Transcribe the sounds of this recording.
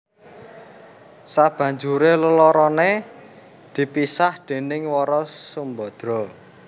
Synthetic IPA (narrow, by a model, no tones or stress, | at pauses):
sab̥ä̤ɲd͡ʒuɾeləlɔɾɔne | d̪̥i̤pisahd̪̥e̤nɪŋwɔɾɔsumbɔd̪̥ɾɔ̤